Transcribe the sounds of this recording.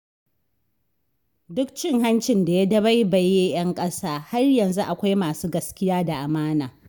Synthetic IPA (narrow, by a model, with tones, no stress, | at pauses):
dʊ˦k̚t͡ʃɪ˦ŋɦa˦nt͡ʃɪ˨nda˨ja˦dɐ˦ba˦jba˨jːeː˦j̰ɐ˦ŋkʼɐ˦saː˦ha˦rjɐ˨nzu˦ʔa˨kʷa˦jmaː˨suː˦ɡɐ˦skʲɪ˦jaː˦da˨ʔa˨maː˦naː˨